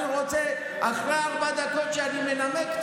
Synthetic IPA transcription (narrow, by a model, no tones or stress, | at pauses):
ʁɔt͡sʰɛ | aχɾaɾbad̪akʰɔvt͡ʃʼaɾimɛnamɛk̪